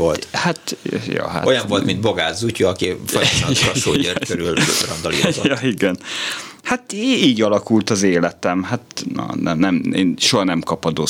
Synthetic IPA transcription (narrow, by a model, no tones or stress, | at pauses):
olt̪hat̪jɒ̰ɦa̰tojɒɱo̞lt̪mind̪boɡaːzzucːoɒkifojʃnɒʃoːjeɾkøɾylrɒnd̪ɒlḭjɒiɡɛnhat̪iːɟɒlɒkult̪ɒzeːlɛt̪ɛmɦat̪nɒ̰nɛnɛmeːnʃoɦɒnɛmkɒpɒd̪o